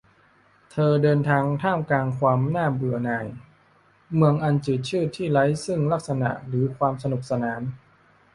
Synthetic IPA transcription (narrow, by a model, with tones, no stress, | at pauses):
t̪ʰɤː˧dɤː˧nt̪ʰaː˧ŋt̪ʰaː˥˩mklaː˧ŋkʰwaː˧mnaː˥˩bɯ˨˩ɐnaː˧˩j | mɯ˧əŋʔa˧nt͡ɕɯː˨˩t̪̚t͡ɕʰɯː˥˩t̪ʰːiː˥˩la˦˥jsɯ˥˩ŋla˦˥˩k̚sa˧na̰˨˩ʔɾɯː˩˦kʰwaː˧msa˧nu˨˩k̚sa˧naː˩˦n